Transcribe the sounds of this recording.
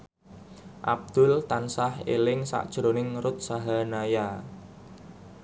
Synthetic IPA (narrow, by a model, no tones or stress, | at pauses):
ʔab̚d̪̥ʊlt̪ansahḛlɪŋsa̰ʔd̥ʒ̥ɾonɪŋɾʊt̪̚saɦanaja